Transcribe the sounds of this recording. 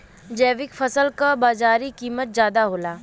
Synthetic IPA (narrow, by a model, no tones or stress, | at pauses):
d͡ʒɛːʋɪkfʰəsəlkabaːzaːɾikiːmət̪̚zjaːd̪aɦoːlaː